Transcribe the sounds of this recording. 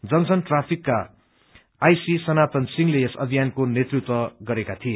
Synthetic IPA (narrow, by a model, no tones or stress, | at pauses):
d͡zʌnsʰʌnʈrapʰikːaː | jsisʌnat̪ʌnsiŋleesʌ̰bʱijankonet̪rut̪wʌɡʌɾekat̪ʰije